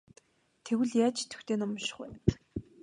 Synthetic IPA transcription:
t̪ʰewɘ̆ɮjaːt͡ɕt̪ʰːɵ̥xt̪eːnɔm̆ʃɪ̥̆χwæː

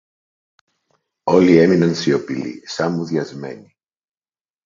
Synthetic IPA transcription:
o̞lie̞minɐnsio̞pilḭsɐmuðʝɐzme̞̰ni

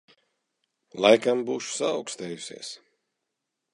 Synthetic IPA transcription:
lˠajkambuːʃu̥sa̰ːwkst̪ɛːjusḭɛs

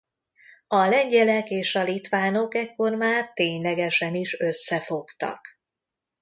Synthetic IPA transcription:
ɒlɛɲɟɛlɛkeːʃɒlit̪ʋaːno̞kɛkːo̞rmaːrt̪eːɲlɛɡɛʃɛniʃø̞sːɛfo̞kt̪ɒ̰k

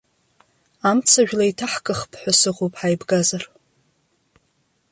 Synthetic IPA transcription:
amt͡sʰaʒᶣlaitʰaħkʼɨχpʰʼħʷasɨʁowpʼħajbɡazar

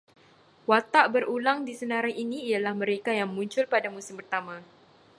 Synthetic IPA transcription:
wat̪aʔbəɾulaŋdisənãɾajiniːjalahmə̃ɾekajaŋmũɲt͡ʃʊlpadamusɪmpərt̪amã

